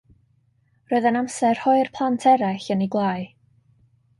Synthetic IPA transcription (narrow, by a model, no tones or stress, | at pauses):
rɔɨðənamsɛrhɔɨrpʰlˠantʰɛɾɛɬəniɡlˠaːɨ